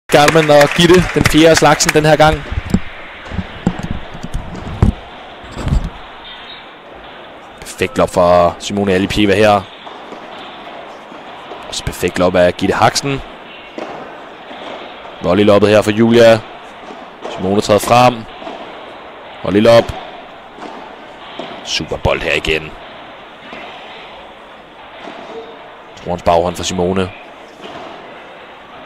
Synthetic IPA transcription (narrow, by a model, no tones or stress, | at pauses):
ɡ̥æɐd̥mænɒ̽ɡ̥iɾed̥enfje̝ːɐæslɑ̈ɡ̥sn̩d̥enheɐ̰ɡ̥ɑ̈ŋ̰ | pʰæɐfeɡ̥d̥lɒ̽b̥fʁɑsimo̝ːnælipʰjeːʋæheɐ̰ | ɒ̽sɒ̥pʰæɐfeɡ̥d̥lɒ̽b̥æɡ̥iɾ̥ehɑɡ̥sn̩ | ʋɒlil̥ɒ̽b̥ð̩ˠheɐ̰fɒjṵːljæ | simo̝ːnət͡sʰʁɛ̰ːðˠfʁam̰ | hɒlilɒ̽b̥ | sṵb̥ɐb̥ɒ̽l̰d̥heɐiɡ̥en | t͡sʰo̰ɐnsb̥ɑ̈ʊhɒ̽nfɒ̽simo̝ːnə